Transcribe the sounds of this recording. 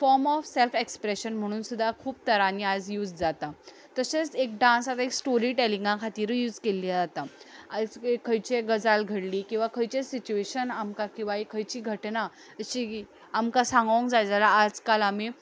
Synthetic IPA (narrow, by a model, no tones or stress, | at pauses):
fɔɾmɔfselfekspɾeɕənm̤əɽ̃uːnsud̪ʱːakʰuːp̚t̪əɾaniad͡zjuːd͡zd͡zat̪a | t̪əset͡sek̚ɖãnsat̪aeksʈoɾiːʈelĩŋɡãkʰat̪iːɾjuːd͡zkeliːd͡zat̪aad͡zekʰəjt͡ɕeɡəd͡zalɡʱəɽliːkĩw̃ʋakʰəjt͡ɕesit͡ɕueɕənamkakĩw̃ʋaekʰəjt͡ɕiːɡʱəʈna | əɕi | amkasãŋɡʋə̃ŋkd͡zajd͡zalaːd͡zkalami